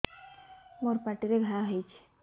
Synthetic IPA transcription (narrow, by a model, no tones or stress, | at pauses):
moɾpaʈiɾeɡʱalaɦet͡ʃʰ